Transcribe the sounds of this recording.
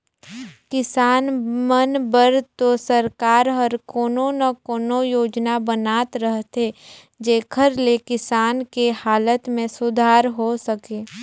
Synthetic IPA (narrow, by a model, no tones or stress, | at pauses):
kɪsaːnmənbəɾt̪osəɾkaːɾɦɔɾkoːnonɐkoːnojoːd͡ʒnabənaːt̪ɾəɦt̪e | d͡ʒeːkʰəɾlekɪsaːnkehaːlət̪mẽsʊd̪ʱaːɾɦosəkeː